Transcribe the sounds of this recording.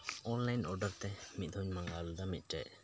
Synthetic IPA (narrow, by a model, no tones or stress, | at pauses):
ɔnlajnʔɔɖəɾt̪ɛmit̪̚ˀd̪ʰɔɲmaŋɡalud̪ɔmit̪̚ˀʈɛ̰ʔ